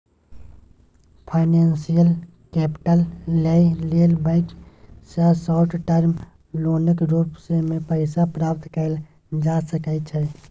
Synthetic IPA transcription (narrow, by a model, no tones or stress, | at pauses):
pʰaːɪneːnsijəl | kɛːpʈəlːeileːlbãɪksasɔːʈʈəɾm | loːnəkɾuːpsemẽpəɪsapɾaːp̚t̪kəl | d͡ʒaːsəkət͡ʃʰɛ